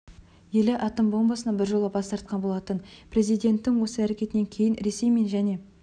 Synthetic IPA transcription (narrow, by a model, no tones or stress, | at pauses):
je̞lɪʔɑt̪əmbo̞mbɑsənɑbɪɾʒo̞lˠəbɑst̪ɑɾt̪̚qɑnbo̞lˠɑt̪ənpʰɾe̞zijd̪e̞nt̪ːɪŋwo̞səæɾe̞kʲe̞t̪ɪne̞ŋkʲʰe̞jɪnɾe̞se̞jme̞nʒæne̞